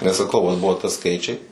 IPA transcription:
nʲɛs sɐˈkɐʊ ʋɐt ˈbʊʋoː tɐ ˈskɐɪt͡ʃʲɛɪ

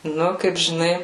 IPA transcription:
ˈnʊ kɐɪp ʒʲɪˈnɐɪ

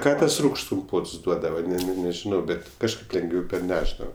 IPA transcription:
ˈkɑː ˈtɐs ˈruːkʃts kʊmˈpoːts ˈduɔdɐʋɐ nʲɛ nʲɛ nʲɛʒʲɪˈnɐʊ ˈbʲɛtʲ kɐʃˈkɐɪp lʲɛŋɡˈʋʲɛʊ pʲɛrʲˈnʲæːʒdɐʋɐ

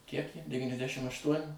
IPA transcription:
kʲiɛk jɛɪ dʲɛʋʲiːnʲɛzʲˈdʲæːʃʲɪm ɐʃˈtuɔnʲɪ

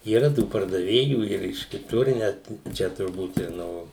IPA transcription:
iːˈrɐ tuː pɐrdɐˈʋʲeːjuː ɪr ɪʃ kʲɪˈtʊr ɪ ˈnʲæt ˈt͡ʃʲɛ tʊrˈbuːt ɪr ˈnoː

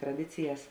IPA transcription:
trɐˈdʲɪt͡sʲɪjɛs

